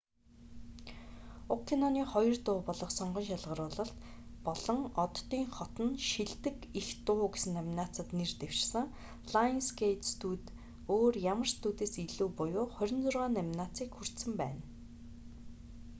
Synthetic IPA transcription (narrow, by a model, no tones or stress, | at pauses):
ʊkʰːinɔniːχɔjɞ̆rt̪ʊːpɔɮɞ̆χsɔɴɢɞ̆nʃaɮʁə̆ɾʊːɮɞ̆ɬt̪pɔɮɞ̆ŋɔt̪ːiːŋχɔt̪ɞ̆nʃiɮt̪ɘ̆kixt̪ʊːɡesɘ̆næmʲnat͡sə̆t̪nert̪ew̥ʃsə̆ŋ | ɮ̥ainskejt̪st̪ʰuːt̪ | oːrjamə̆rst̪uːt̪eːsiɮuːpʊjʊːχœɾʲɪ̆nt͡sʊrʁaːnæmʲnat͡siːkxur̥t̪sɘ̆mpæ̰ːn